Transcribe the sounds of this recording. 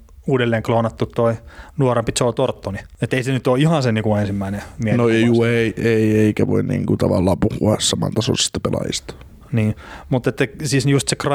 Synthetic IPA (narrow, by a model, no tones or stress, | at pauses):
uːdelːeːŋkloːnɑt̪ːut̪toinuorempit̪solt̪ort̪ːoniet̪ːeisenyt̪oːihɑnseniːkuensimːæinemiehnojuːeieieikæʋo̰innḭːŋkut̪ɑʋɑlːɑːmpuhuɑssɑmɑ̰nt̪ɑso̰nsi̥t̪ːæ̥pelɑ̰jḭst̪ɑ̥ | niːmut̪ːˑet̪ːæsiːsjust̪sekr